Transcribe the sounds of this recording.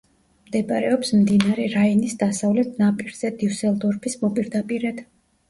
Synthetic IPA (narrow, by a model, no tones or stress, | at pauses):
md̪ɛpʼaɾɛɔpsmd̪inaɾɛɾainisd̪asavlɛt̪ʰnapʼiɾz̥ɛd̪iusɛlˠd̪ɔɾpʰismɔpʼiɾd̪apʼiɾɛd̪̥